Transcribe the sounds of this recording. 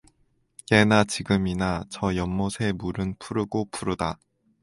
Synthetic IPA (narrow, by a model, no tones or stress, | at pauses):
jenat͡ɕiɡɯminat͡ɕʌjʌmːosʰe̞muɾɯnpʰuɾɯɡopʰuɾɯda